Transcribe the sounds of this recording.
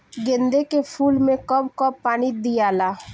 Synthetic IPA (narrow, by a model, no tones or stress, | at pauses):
ɡẽnd̪ekepʰuːlmẽkɔbkɔpaːnid̪ijaːlaː